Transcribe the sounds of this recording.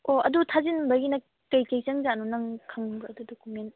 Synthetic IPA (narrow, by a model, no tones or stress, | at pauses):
ʔoɐ̰dutʰazinbaɡina | kɐjkejsaŋzanɔnaŋkʰaŋbɯɐdudokument